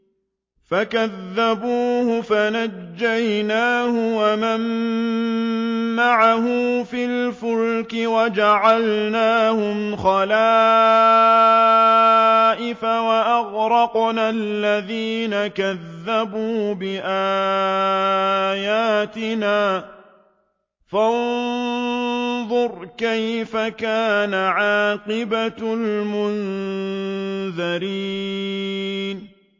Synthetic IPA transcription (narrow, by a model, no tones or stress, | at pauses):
fakaðːabuːhʊfanad͡ʒːajnaːhʊwamam | aʕahʊmfɪlfʊɾkɪwad͡ʒaʕalnaːhʊmxɑlaː | ʔɪfawaʔaɣɾɑqnalːaðiːnakaðːabuːbɪʔaː | jaːt̪ɪnaː | fan | ðˤʊɾˤkajfakaːnaʕɑːqɪbalmʊn | ðaɾiː | n